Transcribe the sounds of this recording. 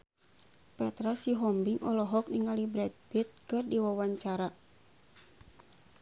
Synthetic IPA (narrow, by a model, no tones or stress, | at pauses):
pɛt̪ɾasiɦɔmbiŋʔɔlɔɦɔk̚niŋalibɾɛt̪̚bit̪̚kɨrdiwawaɲt͡ʃaɾa